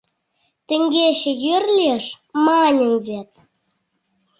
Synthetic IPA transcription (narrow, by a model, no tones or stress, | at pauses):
t̪ə̆ŋɡeɕĕjørlʲeʃmɑnʲə̆mvet̪̚